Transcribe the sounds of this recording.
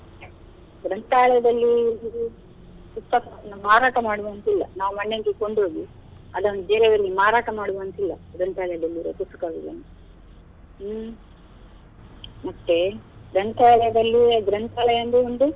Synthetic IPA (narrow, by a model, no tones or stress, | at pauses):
ɡɾɐnt̪aːlɐjɐd̪ɐlːi | ut̪ːɐkaɐnːumaːɾaːʈɐmaːɽuʋɐnt̪ilːɐ̰naːʋumɐɳːeɡeko̞ɳɖɦo̞ːɡi | ɐd̪ɐʋnd̪ud͡ʒeːɾeʋɐɾɡimaːɾaːʈɐmaːɽuʋɐnt̪ilːɐ̰ɡɾɐnt̪aːɭɐjɐd̪ɐlːiɾɐ̰put̪ːɐ̥kaɡiʋɐ̰nː | mɐʈ̪ːeɡɾɐnt̪aːɭɛjɐd̪ɐlːiɡɾɐnt̪aːlɐjɐnd̪uond̪u